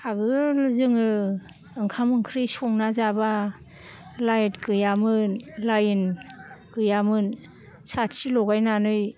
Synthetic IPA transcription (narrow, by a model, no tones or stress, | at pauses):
aɡɯlzɯŋɯː | ŋkʰamɯŋkʰɾisɔŋnazaba | lajtɡɯjamɯnlajnɡɯjamɯn | sasilɔɡajnanɯj